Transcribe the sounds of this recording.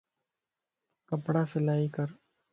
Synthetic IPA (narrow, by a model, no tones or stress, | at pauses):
kɐpɽasɪlaːikəɾ